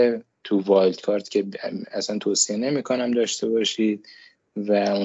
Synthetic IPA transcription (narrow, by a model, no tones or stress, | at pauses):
t̪ʰuvɒːjld̪̥kʰɒːɾt̪cʲʰe̞æsænt̪ʰoːsiene̞miːkʰonæmd̪ɒːʃt̪e̞bɒːʃiːd̪̚ | væu